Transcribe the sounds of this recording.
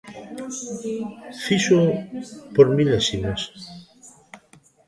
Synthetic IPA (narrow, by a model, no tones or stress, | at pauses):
fiʃo | poɾmilesimas